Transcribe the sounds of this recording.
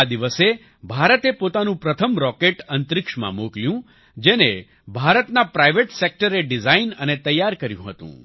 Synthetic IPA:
ad̪iʋəse | bʱaɾət̪epot̪anũpɾət̪ʰəmɾɔkeʈənt̪ɾɪkʂmã̰mokljũ | d͡ʒene | bʱaɾət̪napɾajʋeʈsek̚ʈəɾeɖizainənet̪əjːaɾkəɾjṵ̃ɦət̪ṵ̃

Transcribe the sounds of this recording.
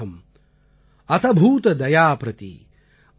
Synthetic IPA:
ɐm | ɐt̪ʰɐbʱuːt̪ɐd̪ɐjaːpɾɐt̪ḭ

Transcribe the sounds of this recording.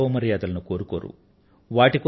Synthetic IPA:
ʋmɐɾjaːd̪ɐlɐnukoːɾukoːɾṵ | ʋaːʈiko

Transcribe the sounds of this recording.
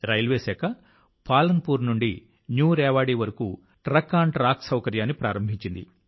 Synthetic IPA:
ɾɐjlʋeːsɛːkɐ | paːlɐnpuːɾnuɳɖi | njuːɾɛːʋaːɽiːʋɐɾɐkṵ | ʈɾɐkːaːɳʈɾaːksɐwkɐɾjaːnːipɾaːɾɐmbʱiɲt͡ʃind̪ḭ

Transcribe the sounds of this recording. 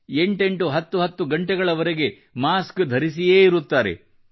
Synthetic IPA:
e̞ɳʈe̞ɳʈuɦɐt̪ːuɦɐt̪ːuɡɐɳʈeɡɐɭɐʋɐɾeɡe̞ | maːskd̪ʱɐɾisijeːiɾut̪ːaːɾe̞̰

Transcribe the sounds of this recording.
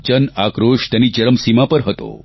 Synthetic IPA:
t͡ʃənakɾoʃt̪ɛnit͡ʃəɾəmsimapəɾɦət̪o̰

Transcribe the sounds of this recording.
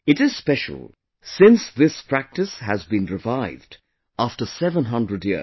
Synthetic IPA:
ɨtɨz̥spɛʃə̰l̩ˠ | sɪ̃nsðɪspɹ̥æk̚tɨshæzbĩnɹɨvaɪvd | æftə˞sɛvə̃nɦʌ̃ndɹədjḭ

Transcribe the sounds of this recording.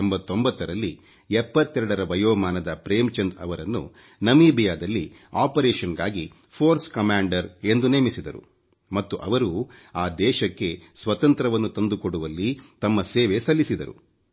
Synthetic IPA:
embɐt̪ːo̞mbɐt̪ːɐɾɐlːi | ɛpːɐt̪ːɛɾɐɽɐɾɐʋɐjoːmaːnɐd̪ɐpɾeːmt͡ʃɐnd̪ɐ̰ʋɐɾɐnːṵ | nɐmiːbijaːd̪ɐlːi | aːpɐɾɛːʃɐnɡa̰ːɡi | pʰoːɾskɐmaːɳɖɐɾe̞nd̪uneːmisid̪ɐɾṵ | mɐt̪ːuʔɐʋɐɾuaːd̪ɛːʃɐkːe̞sʋɐt̪ɐnt̪ɾɐʋɐnːut̪ɐnd̪ukoɽuʋɐlːit̪ɐmːɐseːʋe̞sɐlːisid̪ɐɾṵ

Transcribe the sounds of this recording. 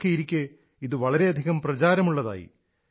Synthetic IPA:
kːejiɾikʲːe | iðɨʋɐɭɐɾe̞ɐd̪ʱiɣɐmprɐt͡ɕaːɾɐmuɭːɐða̰ːjḭ

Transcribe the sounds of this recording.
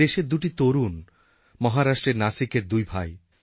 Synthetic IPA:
eʃeɾd̪uʈit̪oɾun | mɔɦaɾaʃʈɾeɾnasikeɾd̪ujbʱaj

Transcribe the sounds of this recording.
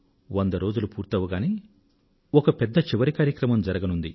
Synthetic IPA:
ʋɐnd̪ɐɾo̞ːd͡ʒulupuːɾt̪ɐʋɐɡaːneː | ɔkɐpɛd̪ːɐt͡ʃiʋɐɾikaːɾjɐkɾɐmɐmd͡ʒɐɾɐɡɐnund̪i

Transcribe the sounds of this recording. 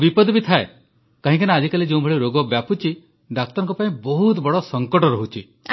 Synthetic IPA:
bipɔd̪bit̪ʰae | kaɦĩkanead͡ʒikalid͡ʒeũbʱɔɭiɾoɡɔbjaput͡ʃi | ɖak̚t̪ɔɾɔŋkɔpaĩbɔɦut̪bɔɽɔsɔŋkɔʈɔɾɔɦut͡ʃʰi

